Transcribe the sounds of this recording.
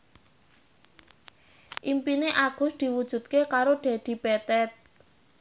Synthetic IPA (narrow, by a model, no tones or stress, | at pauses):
ʔimpineʔaɡ̥ʊ̤sd̪̥i̤wud̥ʒ̥ṳt̪̚kekaɾoɖ̪̥a̤d̪̥i̤b̥ɛt̪ɛt̪̚